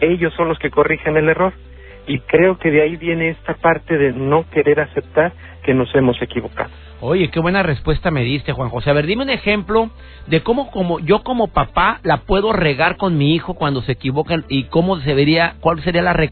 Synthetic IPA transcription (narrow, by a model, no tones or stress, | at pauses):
e̞ʝo̞sːo̞nlo̞ske̞ko̞rixene̞le̞ro̞ɾ | ikɾe̞o̞ke̞ðeaiβje̞ne̞est̪apaɾt̪e̞ðe̞no̞ke̞ɾe̞ɾase̞p̚t̪aɾ | ke̞no̞se̞mo̞se̞kiβo̞ka̰ðo | o̞ʝe̞ke̞βwe̞nare̞spwe̞st̪ame̞ðist̪e̞xwaŋxo̞seaβe̞ɾðime̞une̞xe̞mplo̞ | d̪e̞ko̞mo̞komoʝo̞ko̞mo̞papalapwe̞ðo̞re̞ɣaɾko̞nmiixo̞kwand̪o̞seːkiβokeniko̞moseβeɾiakwalse̞ɾialare